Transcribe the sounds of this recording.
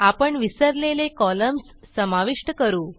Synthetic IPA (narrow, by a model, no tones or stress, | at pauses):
apəɳʋisəɾlelekɔləmsːəmaʋiʂʈəkəɾuː